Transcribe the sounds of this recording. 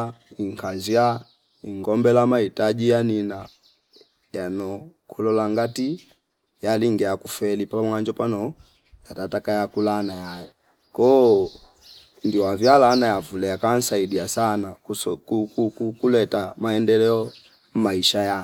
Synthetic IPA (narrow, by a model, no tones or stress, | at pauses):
iŋkʰazia | iŋɡɔmbɛlamaitaʄijanina | janɔkʰulɔlaŋɡati | jaliŋɡɛakufɛlipamwand͡ʒɔpanɔ | jatatakajakulanajajɛ | kɔ | ndiwavjalanajavulɛjakan̩saidiasanakkukukulɛtamaɛndɛlɛɔ | maiʃaja